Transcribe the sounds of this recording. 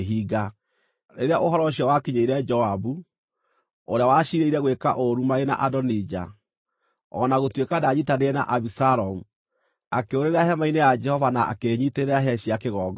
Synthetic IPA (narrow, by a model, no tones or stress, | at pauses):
ɦiːɡa | eɾeaʔoɦɔɾɔɕiawakiɲeiɾɛd͡ʒɔabu | oɾeawaʃiɾeiɾɛɣwekaʔoɾumaena̰ʔadɔnid͡ʒa̰ | ɔ̰naɣotwekadaɲitaneɛna̰ʔaβisaɾɔmu | akeoɾeɾeaɦɛmainejad͡ʒɛhɔvanaa̰keɲiteɾeaɦɛɕiakeɣɔːɡɔ